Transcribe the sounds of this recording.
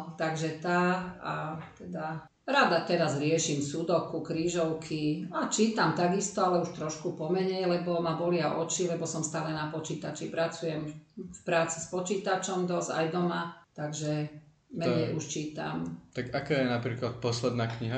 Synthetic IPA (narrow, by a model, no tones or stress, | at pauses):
t̪aɡʒɛt̪aːat̪ɛd̪a | ɾaːd̪at̪ɛɾazɾɪɛʃimsud̪ɔkukɾiːʒɔʊkʰiat͡ʃiːt̪amt̪aɡist̪ɔalɛuʃt̪ɾɔʃkupɔmɛɲɛjlɛbɔmabɔlɪaʔɔt͡ʃilɛbɔsɔmst̪aːlɛnapɔt͡ʃiːt̪at͡ʃipɾat͡sujɛmfpɾaːt͡si̥spɔt͡ʃiːt̪at͡ʃɔmd̪ɔza̰jd̪ɔmat̪aɡʒɛ | mɛɲɛjuʃt͡ʃiːt̪amt̪akakaːjɛnapɾiːklat̪̚pɔslɛd̪naːkɲiɦa